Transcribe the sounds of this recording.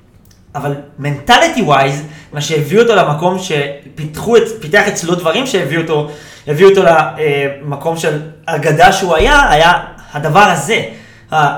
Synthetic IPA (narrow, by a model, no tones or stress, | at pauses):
avalme̞ntalitiwajzmaʃe̞jeviuoto̞lemako̞mʃe̞pitχuepiteaχet͡slo̞dvaʁimʃeeviuoto̞ | heviuot̪o̞laemako̞mʃe̞laɡadaʃeuajaːjahadavaʁhaze̞ | ha